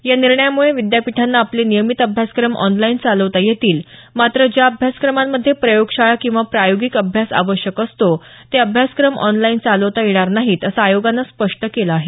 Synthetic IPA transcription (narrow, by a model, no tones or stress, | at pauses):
janiɾɳəjamuɭeʋid̪japiʈʰanːaːplenijəmit̪əbʱjaskɾəmʔɔ̰nlaint͡saləʋt̪ajet̪iːlmat̪ɾəd͡ʑjaəbʱjaskɾəmamːəd̪ʱːjepɾəjoɡɕaɭakĩw̃ʋapɾajoɡikəbʱjasa̰ʋəɕjəkəst̪o | t̪eəbʱjaskɾəmɔ̰nlaint͡saləʋt̪ajeɽ̃aɾnaɦiːt̪əsaːjoɡanːaspəʂʈəkelaːɦe